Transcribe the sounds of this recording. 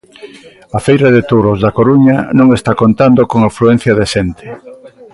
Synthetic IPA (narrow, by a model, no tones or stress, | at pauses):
ɐfejɾɐðet̪uɾozðɐkoɾuɲɐnõŋest̪akont̪and̪okoŋafɾuen̟θjɐðeʃent̪ʰɪ̥